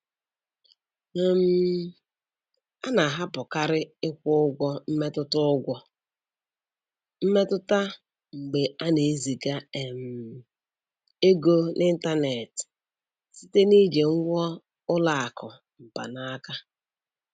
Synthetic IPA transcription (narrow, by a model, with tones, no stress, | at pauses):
e˨m̩˨ | a˦na˨a˨ɦa˦pʊ˨ka˦ɾɪ˦ɪ˦kʷʊ˦ʊ˦ɡʷɔ˦m̩˦me˦tʊ˦tʊ˦ʊ˦ɡʷɔ˦ | m̩˦me˦tʊ˦ta˦ | ŋ͡m̩˨ɡ͡be˨a˦ne˨e˦zi˨ɡa˦e˨m̩˨ | e˦ɡo˦nʔɪ˦n̩˦ta˦ne˨t | si˦te˦ni˦d͡ʒe˨ŋ̩˦ɡʷɔ˦ | ʊ˦la˨a˨kʰɔ˨ | m̩˨pa̰˨na˦ka˦